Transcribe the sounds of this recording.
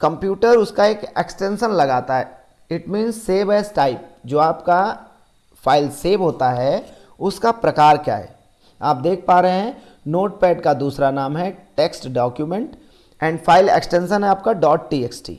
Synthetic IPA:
kɐ̃mpjuːʈəɾʊskaeːkeksʈẽnʃənlɐɡaːt̪aɦɛ | ɪʈmĩːnzseːʋeːsʈaːɪp̚d͡ʒoːaːpka | fʰaːɪlseːʋɦoːt̪aɦɛ | ʊskapɾɐkaːɾkja̰ːɦɛ̰ː | aːp̚d̪eːkʰpaːɾəɦeɦɛ̃ | noːʈ̚pɛːɖkad̪uːsɾanaːmɦɛʈeːksʈɖɔːkjumẽɳʈ | ɛ̃ːɳɖfʰaːɪlḛksʈẽnʃənɦɛaːp̚kaɖɔːʈ̚ʈiːeksʈḭː

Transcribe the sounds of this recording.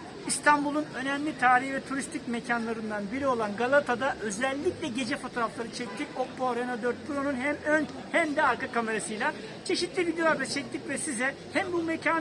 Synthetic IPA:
ist̪ʰanbulˠunø̞nɛmlʲit̪ʰaːɾihvɛt̪ʰuɾist̪ʰicmecʰanlˠaɾɯnd̪anbiɾio̞lˠanɡalˠat̪ʰad̪aʔø̞zɛlʲːiclʲɛɟe̞d͡ʒɛfo̞t̪ʰo̞ɾaflˠaɾɯt͡ʃʰɛc̚t̪ʰicok̚boɾenad̪øɾt̪̚pʰuɾo̞nunɦɛmøɲ | hæmd̪ɛaɾkakame̞ɾasɯjlʲˠa | t͡ʃʰe̞ʃit̪lʲivid̪ejoabɛt͡ʃʰɛc̚t̪ʰicvɛsizɛ | hæmbumecʰaː

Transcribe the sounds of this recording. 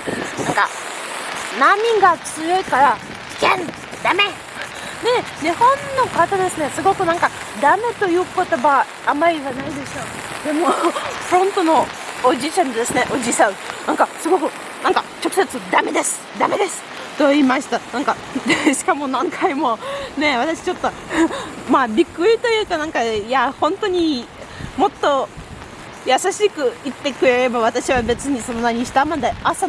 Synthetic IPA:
nãŋka̰ | namʲiɡat͡sɨjo̞ikaɾa | ki̥kẽn | d̪̥ame̞ | d̪e̞ɲihõ̞nːo̞kat̪ad̪e̞sɨne̞sɨɡo̞kɯ̟nãŋka | d̪ame̞t̪o̞jɯ̟ːko̞t̪o̞baː | maɾʲiβanaid̪e̞sɨ̥ʃo | d̪e̞mo̞pɯɾõ̞nt̪o̞no̞ | od͡ʑiːt͡ɕãnt̪od̪e̞sɨne̞ʔo̞d͡ʑisãɰnãŋkasɨɡo̞kɯ̟ | nãŋkat͡ɕo̞kɯ̟̥se̞t͡sɨd̪ame̞d̪e̞sɨ̥d̪ame̞d̪e̞sɨ̥ | t̪oimaɕi̥t̪anãŋka | eɕi̥kamo̞nãŋkʰaimo̞ne̞β̞at̪aɕi̥t͡ɕo̞t̪ːo̞ | maːbʲikːɯ̟ɾʲit̪o̞jɯ̟ːkanãŋkajahõnt̪o̞ɲ̟i | mo̞t̪ːo̞ | jasaɕikɯ̟it̪ːe̞kɯ̟ɾe̞ɾe̞baβ̞at̪aɕiβabe̞t͡sɨɲ̟iso̞no̞naɲ̟iɕi̥t̪amad̪easa

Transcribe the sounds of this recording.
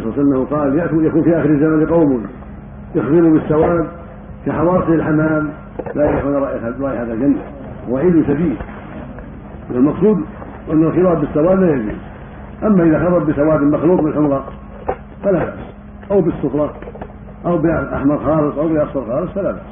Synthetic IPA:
sˤlːsalːnːahʊqɑːljaʔjakuːnfiʔaːxɪɾɪzːamanlqɑwmʊ | jɪxðɨɾʊbɪsːawaːd̪ | kaħawɑːsˤiɪlħamːaːm | lajaʔaxanˤɑːʔaɾˤɑːʔɪħaːðald͡ʒanːa | waʕiːd̪ʊnsabiːl | ʔɪnːalmɑqsˤuːd̪ | ʔanːalxɪlaːb̚bɪsːawaːd̪laːjad͡ʒṵːz | ʔamːaʔɪðaxɑbˤɑɾˤbɪsawaːd̪maxluːqmɪnlħʊmɾˤɑ | falaba̰ʔs | ʔawbɪsːʊxlˤɑ | ʔawbɪʔaħmɑɾˤxɑːlɨsˤʔawbɪʔasˤɑɾxɑːlɨsˤfalaba̰ʔs

